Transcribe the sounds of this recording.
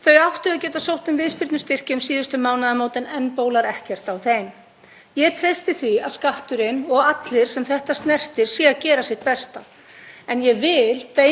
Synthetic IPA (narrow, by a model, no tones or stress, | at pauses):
θœɥawht̪ʏacɛːt̪asowht̪nʏmvɪðspɪɾt̪nʏst̪ɪr̥cɪʏmsiːðʏst̪ʏmawnaðamoːwt̪ɪnɛnːpoːwlaɾɛhcɛr̥t̪awθejm | jɛt̪ʰɾejst̪ɪθviaðskaht̪ʏɾɪnɔɣat̪lɪɾ̥sɛmθɛht̪ast̪nɛr̥t̪ɪɾ̥siːɣacɛːɾasjɪht̪̚pɛst̪a | ɛnjɛvɪlpe